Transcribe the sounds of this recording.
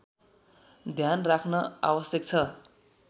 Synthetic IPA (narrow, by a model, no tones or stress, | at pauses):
d̪ʱjanrakʰnʌa̰wʌsjʌk̚t͡sʰʌ